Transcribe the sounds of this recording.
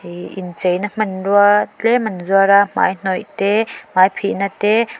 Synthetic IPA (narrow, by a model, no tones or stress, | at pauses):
ḭnt͡sejnɐm̥ɐnrualɛmɐnzuaɾama̰jn̥ɔjt̪ɛmajpʰiʔnatɛ